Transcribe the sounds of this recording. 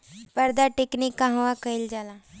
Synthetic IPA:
pəɾd̪aʈeknikːaɦə̃ʋakəild͡ʒala

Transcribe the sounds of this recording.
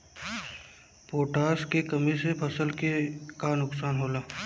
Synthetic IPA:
poːʈaːskekɐmisepʰɐsəlkekanʊksaːnɦoːlaː

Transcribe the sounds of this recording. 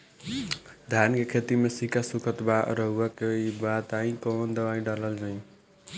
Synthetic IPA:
d̪ʱjankekʰet̪imesikasukʰət̪baɾəɦuakeibat̪aĩkɔnd̪əbaĩɖaləld͡ʒaĩ

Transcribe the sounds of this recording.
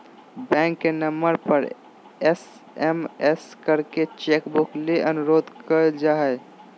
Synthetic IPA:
bɛ̃ŋkːenəmːəɾpəɾ | es | emeskəɾket͡ʃekbukleʔənuɾod̪ʱkəd͡ʒaɦɛ

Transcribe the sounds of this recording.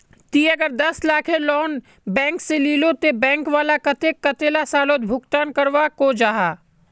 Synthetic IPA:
t̪iːɐɡəɾd̪ɐslaːkʰẽlɔːn | bɛ̃ːŋkseliːlõt̪ebɛ̃ːŋkʋaːlakɐt̪ekɐt̪eːlasaːloːt̪bʱʊkt̪aːnkɐɾʋakod͡ʒaːɦaː

